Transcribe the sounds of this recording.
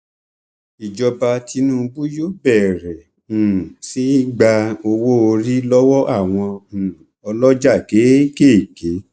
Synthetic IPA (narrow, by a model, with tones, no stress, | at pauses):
i˨d͡ʒɔ˧ba˧ti˧nũ˦˨˧bu˦jo˦˨bɛ˦˨ɾɛ̃˨ | si˦ɡ͡ba˧o˧wo˦o˧ɾi˦lɔ˦wɔ˦ʔa˦˨w̃ɔ̃˧˨ | ɔ˧lɔ˦d͡ʒa˦˨ke˨˦ke˦˨ke˨˦